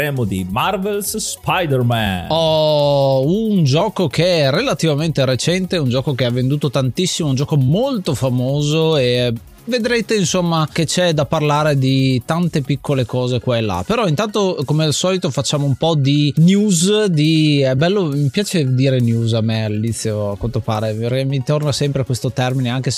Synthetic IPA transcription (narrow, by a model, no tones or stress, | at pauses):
ɛmod̪ḭmarvelsspajd̪ɛɾmɛ̰nɔ | und͡ʒɔːkokerːelat̪ivament̪eɾet͡ʃɛnt̪eund͡ʒɔːkokeavːend̪uːt̪ot̪ant̪isːimound͡ʒɔːkomolt̪ofamoːzoe | ved̪ɾeːt̪einsomːak̟et͡ʃɛd̪aparlaːɾed̪it̪ant̪epikʰːolekɔːzekwaelːa̰peɾɔint̪ant̪okomealsɔːlit̪ofat͡ʃːaːmoumpɔd̪injuːzd̪iɛbɛlːomipjaːt͡ʃed̪iːɾenjuːzamːealilit̪sːjoakwant̪opaːɾeremit̪ornasɛmpɾeakwest̪ot̪ɛrmineaŋkes